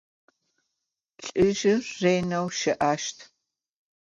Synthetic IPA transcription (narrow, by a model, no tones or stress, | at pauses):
ɬʼɪʒɪrreːnɐwʃɐʔaːʃtʰ